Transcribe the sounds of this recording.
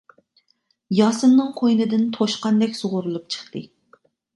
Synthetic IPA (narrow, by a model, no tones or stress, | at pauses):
jɑːsɨnnːɨŋqʰojnɨd̪ɪnt̪ʰoʃqɑnd̪ɛkʲsʊʁʊɾulˠup̚t͡ʃʰə̥χt̪ɨ